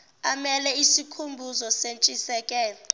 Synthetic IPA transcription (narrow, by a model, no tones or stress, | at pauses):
amɛlɛisikʰumbʱuzɔsent͡ʃʼisɛːkʼɛ